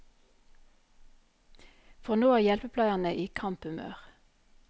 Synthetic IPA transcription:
fɔʁnoːæːʁjɛlpəpʰlɑɪɑnəʔiːkʰɑmpʉmø̰ːʁ

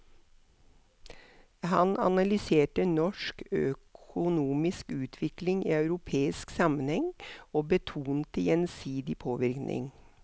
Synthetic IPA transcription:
hɑnʔɑ̰nɑlʏseːʈənɔʃkœkʰʊnuːmɪskʉːt̪ʰʋɪklɪŋḭːɑʉɾʊpʰeːɪsksɑmənhɛŋoːbət̪ʰuːnt̪əjɛnsiːd̪ɪpʰoːʋɪɾknʔɪ̰ŋ

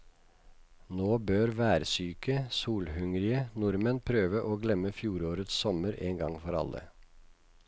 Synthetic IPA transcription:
noːbøːɾʋæːɾsyːkəsuːlhʉŋɾɪənʊɾmənpʰɾøːʋəʔoːɡlɛməfjuːɾoːɾət̪ssɔməɾeːŋɡɑŋfɔɾɑ̰lə̰

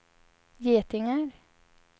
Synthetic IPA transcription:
jeːt̪ʰɪŋaɾ

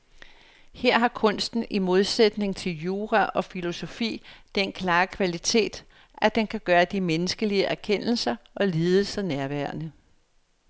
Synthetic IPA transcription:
heɐ̰ɦɑ̈kʰɔ̽n̰sd̥n̩imo̝ð̞ˠsed̥ne̝ŋt͡sʰe̝ljuːʁæʔɒ̽filo̝so̝fḭːd̥enkʰlɑ̈ːkʰʋælit͡sʰe̝̰ːd̥ | ʔæd̥enkʰæɡ̥ɶːɐd̥imenəsɡ̥əliəʔæɐkʰen̰l̩sɐʔɒ̽liːð̞ˠəsɑnæɐʋæɐnə

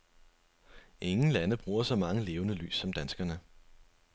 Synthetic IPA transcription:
ʔe̝ŋn̩lænəb̥ʁuːɐsɒ̽mɑ̈ŋəle̝ːʊnəly̰ːsːɒ̽md̥ænsɡ̥ɐnə

